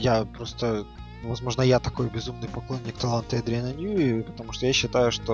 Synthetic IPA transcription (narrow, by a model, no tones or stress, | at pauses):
japɾo̞st̪ə | vɐzmo̞ʐnəjat̪ɐko̞jbʲɪzumnɨjpɐklˠo̞nʲːɪkt̪ɐlˠant̪əɐd̪ɾʲɪnɐnʲjuipə̥t̪ɐmuʂt̪ojaɕːɪt̪ajʊʂt̪o